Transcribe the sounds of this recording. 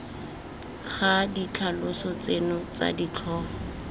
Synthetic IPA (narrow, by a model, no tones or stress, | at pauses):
χadit͡ɬʰalʊsɔt͡senʊt͡sa̰dit͡ɬʰɔːχɔ